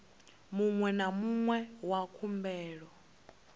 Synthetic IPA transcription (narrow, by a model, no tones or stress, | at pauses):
muŋwɛnamuŋwɛwakʰumbɛːɺɔ